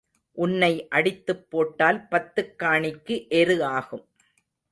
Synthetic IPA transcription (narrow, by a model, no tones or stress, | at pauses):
ʔʊnːɐɪʔɐɽɪt̪ːɯpːoːʈːaːlpɐt̪ːɯkːaːɳɪkːɯʔɛɾɯaːɣɯm